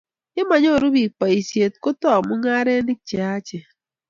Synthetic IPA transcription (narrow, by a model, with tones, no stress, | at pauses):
ɪ˦ma˨ɲ˦o˦˨ɾu˦bi˨k͡pa˨i˨sje˨t̚ko˦tɔ˦a˨mʊ˦ŋa˦ɾe˦ni˦k̚t͡ʃe˨a˦t͡ʃe˨